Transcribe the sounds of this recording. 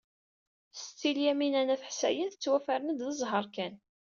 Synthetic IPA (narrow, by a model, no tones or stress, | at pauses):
st͡sːiljæminænæθəħsæ̰jənθət͡sːwæfæɾənəd̪ðəzˤɦəɾˤkæn